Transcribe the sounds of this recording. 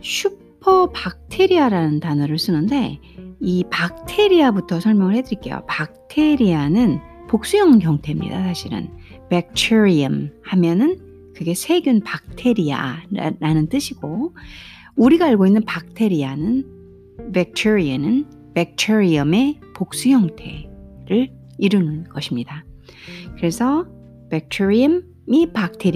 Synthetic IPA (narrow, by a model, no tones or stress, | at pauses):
ɕʰu | pʰʌpak̚tʰe̞ɾiaɾanɯntanʌɾɯɭs͈ɯnɯnde̞ | ipak̚tʰe̞ɾiabutʰʌsʰʌɭmjʌŋɯɭhe̞dɯɾik͈e̞jo̰pak̚tʰe̞ɾianɯn | pok̚s͈ujʌŋɡjʌŋtʰe̞mɲḭda̰sʰaɕʰiɾɯ̰n | pek̚tʰeɾiʌmhamjʌnɯn | kɯɡe̞sʰe̞ɡjunpak̚tʰe̞ɾia̰ɾanɯnt͈ɯɕʰiɡ̥o | uɾiɡaːɭɡoinːɯnpak̚tʰe̞ɾianɯn | bek̚tʰeɾianɯn | pek̚tʰeɾiʌme̞ | pok̚s͈ujʌŋtʰe̞̰ɾɯɭ | iɾɯnɯnɡʌɕʰimɲida | kɯɾe̞sʰʌ | pek̚tʰeɾiʌm | mipak̚tʰeɾ